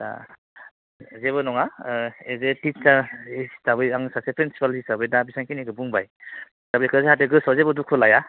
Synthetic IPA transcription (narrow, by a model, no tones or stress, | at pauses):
a̰ | zeβɯnɔŋaezetisaesabɯjaŋsasepʰɾensi̥palhisabɯjdabisaŋkinikɯbuŋbaj | sabjkzeɦateɡɯsɔzebɔdukʰɯlaja